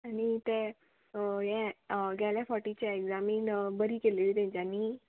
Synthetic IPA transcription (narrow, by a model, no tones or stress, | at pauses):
anit̪ɛ | ɦɛ̃ɡɛlɛfʰɔʈit͡ɕɛekzaminbəɾikeleʋid̪ẽɲd͡ʑani